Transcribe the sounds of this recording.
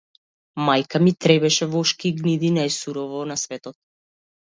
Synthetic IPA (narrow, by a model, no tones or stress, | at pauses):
majkamit̪ɾɛbɛʃɛvɔʃkiɡnid̪inajsuɾɔvɔnasvɛt̪ɔt̪̚